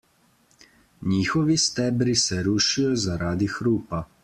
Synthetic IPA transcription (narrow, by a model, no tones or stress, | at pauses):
ɲiːxɔʋist̪ɛːbɾisɛɾuːʃijɔzaɾʔaːd̪ixɾuːpa